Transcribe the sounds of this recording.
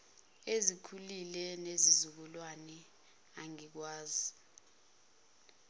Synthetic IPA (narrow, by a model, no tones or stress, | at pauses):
ezikʰulilɛnezizuk̬ulwanɛ | aŋik̬waːzi